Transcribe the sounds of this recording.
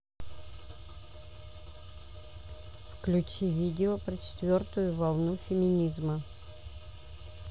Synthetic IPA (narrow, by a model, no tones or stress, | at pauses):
fklʲʉt͡ɕivʲidʲɪopɾət͡ɕɪ̥t̪vʲort̪ʊjʊvɐlˠnufʲɪmʲɪnʲizmə